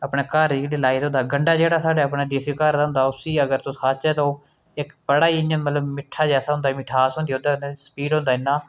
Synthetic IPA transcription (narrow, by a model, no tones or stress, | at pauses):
əpɳeːkəɾikɽiːlaːit̪õːnd̪aːɡəɳɖaːd͡ʒeːɽaːsaːɖeːəpɳeːd̪eːsiːkəɾd̪ãnd̪aːʊsiːəɡəɾt̪õsaːt͡ʃɛːt̪õː | ɪkbəɽaːiɪə̃nmət̪ləbmɪʈʰːaːd͡ʒɛːsaːɦʊ̃nd̪aːmɪʈʰaːsɦõnd̪iːod̪asə̥piːɖɦʊ̃nd̪aːnːãː